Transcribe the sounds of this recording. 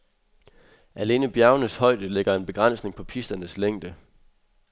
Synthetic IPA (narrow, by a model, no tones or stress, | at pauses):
ʔæle̝ːnəb̥jæɐnəshɒ̽ɪ̰d̥əle̝ɡ̥ɐe̝nb̥e̝ɡ̥ʁan̰sne̝ŋpʰɒ̽pʰisd̥ɐnəsleŋ̰d̥ə